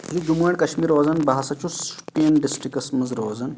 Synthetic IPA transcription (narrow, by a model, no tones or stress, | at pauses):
zud͡ʒumuɐɳkɐʃmiːɾoːzɐnbaɦɐsɐt͡ʃuspijɐnɖisʈɾikɐsmɐzɾoːzɐn